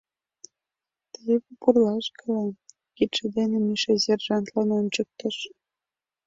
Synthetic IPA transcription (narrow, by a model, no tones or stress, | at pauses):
t̪əjepupurlɑʃkəle | kit̪ʃed̪enĕmiʃezʲerʒɑnt̪lɑnont͡ɕək̚t̪ə̆ʃ